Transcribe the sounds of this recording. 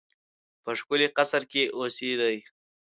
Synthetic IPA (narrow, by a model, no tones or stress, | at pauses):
pəʂkʊleqasɾkeʔosed̪əj